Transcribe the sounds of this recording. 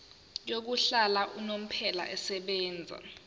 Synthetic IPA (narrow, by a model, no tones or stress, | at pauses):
jok̬uɬalaʔunom̩pʰɛla̰ʔɛsɛɓɛːnd͡zʱa̰